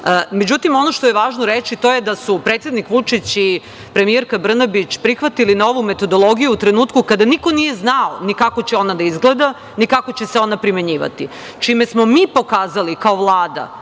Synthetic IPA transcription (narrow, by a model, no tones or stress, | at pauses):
me̞d͡ʑut̪imo̞no̞ʃt̪ojeʋaːʒnoɾet͡ɕit̪o̞je̞d̪asupɾet̪sʲjed̪nikʋut͡ʂit͡ɕi | pɾe̞mijeɾkabr̩nabit͡ɕpɾixʋat̪ilinaoʋume̞t̪o̞d̪o̞lˠo̞ɡijuːt̪ɾe̞nuːt̪kukad̪aniko̞nije̞znaonikako̞t͡ɕeo̞nad̪aizɡled̪a | nikako̞t͡ɕe̞seo̞napɾime̞ɲiːʋa̰t̪i | t͡ʃime̞smomiːpo̞kaːzalikaoʋlˠaːd̪a̰